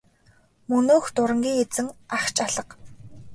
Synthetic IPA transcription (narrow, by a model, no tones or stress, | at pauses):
mɵnoːxt̪ʊɾə̆ŋɡʲiːŋet͡sɘ̆ŋaχt͡ɕaɮə̆q